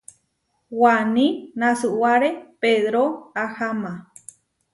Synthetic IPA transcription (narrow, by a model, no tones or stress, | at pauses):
wanĩnãsɨwaɾepeðɾoahamã